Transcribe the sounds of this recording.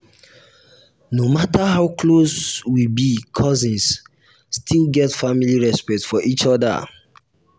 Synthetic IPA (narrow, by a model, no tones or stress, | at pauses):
nomataɦaʊkloswibikʰɔzĩnsː | tʰilˠɡɛtfamiliɹɛspɛk̚tfɔʔit͡ʃɔda̰